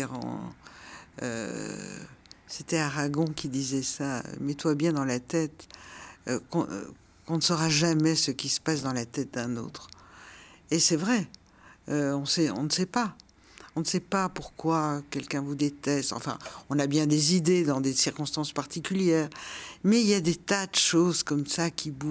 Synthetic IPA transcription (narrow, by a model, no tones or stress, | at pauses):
ʁɑ̰̃ | ø̰ | set̪ɛaʁaɡɔ̃kʲid̪izɛsaø̰mɛt̪wabjɛ̃d̪ɑ̃lat̪ɛt̪ø̰kɔ̰̃ | kɔ̃nəsɔʁaʒamɛsəkʲisə̥pasd̪ɑ̃lat̪ɛt̪̚d̪ɛ̃no̰t̪χ | esɛvʁɛ | øɔ̃sɛɔ̰̃nəsɛpa | ɔ̃nəsɛpapuʁkwakʲɛlkʲɛ̃vud̪et̪ɛst̪ɑ̰̃fɛ̰̃ɔ̃nabjɛ̃d̪ezid̪ed̪ɑ̃d̪esiʁkɔ̃st̪ɑ̃spaʁt̪ikʲyljɛːʁmɛiljad̪et̪ad̪əʃozkɔmsakʰʲibu